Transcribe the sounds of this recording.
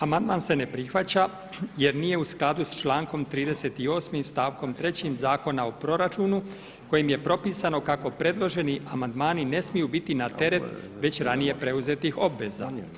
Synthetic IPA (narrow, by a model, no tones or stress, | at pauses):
amand̪manse̞ne̞pɾixʋat͡ɕa | je̞ɾnije̞usklˠad̪ust͡ʃlˠaːŋko̞mt̪ɾiːd̪e̞set̪io̞ːsmimst̪aːʋko̞mt̪ɾe̞t͡ɕimzaːko̞nao̞pɾo̞ɾat͡ʃuːnu | ko̞jimje̞pɾo̞piːsano̞kako̞pɾe̞d̪lˠo̞ʒe̞niʔamand̪maːnine̞smijubit̪inat̪e̞ɾe̞t̪ | ʋe̞t͡ɕɾanije̞pɾe̞uze̞t̪ixo̞bʋe̞za̰